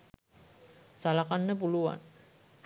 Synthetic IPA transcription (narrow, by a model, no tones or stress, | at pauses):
salakanːəp̬uluʋa̰n